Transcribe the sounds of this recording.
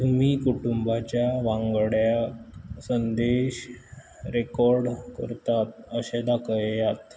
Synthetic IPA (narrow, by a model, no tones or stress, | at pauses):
t̪umiːkuʈumbat͡ɕjaʋãŋɡɽjaksənd̪eɕ | ɾekɔɾɖkəɾt̪at̪̚əɕed̪akʰəjjat̪